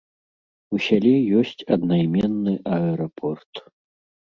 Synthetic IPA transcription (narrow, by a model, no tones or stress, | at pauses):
usʲalʲɛjɔsʲt͡sʲɐd̪najmʲɛnːɨʔɐɛɾɐpʰɔrt̪